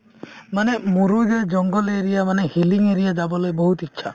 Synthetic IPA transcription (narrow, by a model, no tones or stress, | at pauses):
manemuɾud͡ʒed͡ʒɔŋɡɔleɾijamanehiliŋeɾijad͡ʒabɔlɔjbɔɦut̪itːʃʰa̰